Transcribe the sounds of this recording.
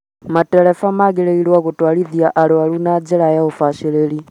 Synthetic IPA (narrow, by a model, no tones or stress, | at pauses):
matɛɾɛfamaɣɛlɛilwaɣutwaliðjaʔalualunad͡ʒɛlajaɔfaʃɛlɛli